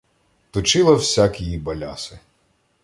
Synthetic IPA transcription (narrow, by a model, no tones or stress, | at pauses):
t̪ʊt͡ʃɪlˠɐwsʲakʲijibɐlʲasɪ